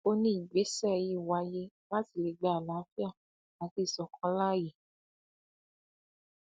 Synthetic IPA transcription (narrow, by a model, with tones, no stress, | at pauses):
o˧nĩ˦i˨ɡ͡be˨˦sɛ˦˧ji˧˨wa˧je˧ | la˦ti˨le˧˦ɡ͡ba˧˨a˨lã˨˦fi˦a˦˨ | nã˨˧˦ti˧˦˨sɔ˧˦kʰɔ̃˧˦la˦˨je˨